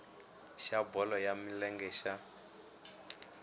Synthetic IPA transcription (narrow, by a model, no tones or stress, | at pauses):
ʃabɔlɔjamilɛŋɡɛːʃa